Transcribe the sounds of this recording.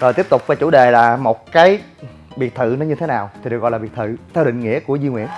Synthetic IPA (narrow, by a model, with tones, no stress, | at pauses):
zo˨˩t̪i˦˥əp̚t̪ʊ˨˩k͡p̚vaː˧˩t͡ɕṵ˧˩˦ɗe˨˩laː˨˩mo˨˩t̚kaː˨˦j | ɓi˨˩ət̚t̪ʰɨ̰˧˨nɔ˨˦ɲɨ˧t̪ʰe˨˦naː˨˩wt̪ʰi˨˩ɗɨ˨˩k̚ɔ̰˧˨laː˨i˨˩ət̚t̪ʰɨ˧˨t̪ʰɛ˧wɗḭ˧˨ŋ̟ŋḭ˧˥əku˧˩əzi˧ŋwḭ˧˨ən